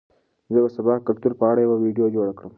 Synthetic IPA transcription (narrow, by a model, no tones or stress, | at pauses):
zəbasabɑhkalt̪uɾpəaɽajawawiɖijod͡ʒoɽakɽəm